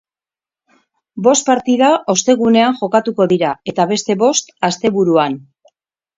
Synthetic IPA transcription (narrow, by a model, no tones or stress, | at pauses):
bo̞st̪̚paɾt̪iðaʔo̞st̪e̞ɣ̞une̞aŋʝo̞kat̪uko̞ðiɾae̞t̪aβ̞e̞st̪e̞βo̞st̪ast̪e̞βuɾuan